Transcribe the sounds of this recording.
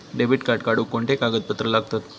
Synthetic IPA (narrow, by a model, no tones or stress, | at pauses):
ɖebiʈkaɾʈkaɽukoɳʈekaɡət̪̚pət̪ɾəlaːɡ̚t̪at̪